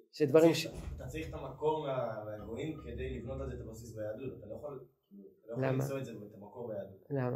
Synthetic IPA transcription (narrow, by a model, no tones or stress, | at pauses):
ʃed̪vaʁimʃat̪at͡saʁiχet̪amako̞ʁmeameaɡo̞imked̪ejlivno̞t̪alzet̪abosisbajaːdut̪at̪alo̞jaχalkilut̪alojlalmiaasovetzeet̪amako̞ʁbejaːd̪utlama